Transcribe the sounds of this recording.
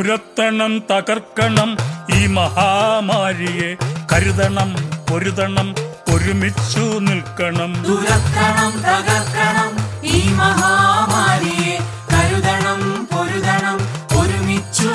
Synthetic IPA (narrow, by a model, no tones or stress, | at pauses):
uɾɐt̪ːɐɳɐmt̪ɐɣɐrkːɐɳɐmiːmɐhaːmaːɾijekɐɾuðɐɳɐmpoɾuðɐɳɐmoɾumit͡ɕːunilkɐɳɐmd̪uɾɐt̪ːɾɐɳɐmt̪ɐɣɐrkɐɳɐmiːmɐɦaːmaːɾije | kɐɾuðɐɳɐmpoɾuðɐɳɐmoɾumit͡ɕːu